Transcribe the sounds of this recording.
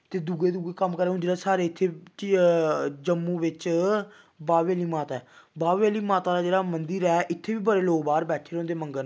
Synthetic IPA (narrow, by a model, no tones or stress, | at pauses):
t̪eːd̪uːɡeːd̪uːɡeːkəmkəɾeːɦʊ̃nd͡ʒ̪eɾaːsaːɾeːɪt̪ʰːeː | d͡ʒəmːũːʋɪt͡ʃ | baːʋeːliːmaːt̪aɛːbaːeːliːmaːt̪aːd̪aːd͡ʒeːɽaːmənd̪iɾɛːʔɪt̪ʰːeːʋiːbəɾeːloːɡbaːɾbɛːʈʰeːɾõːnd̪eːməŋɡən